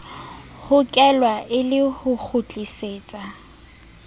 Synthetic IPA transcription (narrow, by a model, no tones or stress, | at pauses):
hʊkʼɛlwaʔɪlɪhʊk͡xʰʊt͡ɬʼiseːt͡sʼa